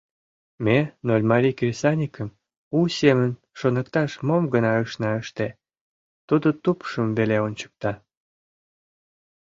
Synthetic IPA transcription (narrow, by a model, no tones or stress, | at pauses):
menolʲmɑɾʲikrʲisɑnʲikəm | usemən | ʃonəkt̪ɑʃmomɡənɑəʃnɑəʃt̪e | t̪ud̪ot̪upʃəmveleont͡ɕə̥k̚t̪ɑ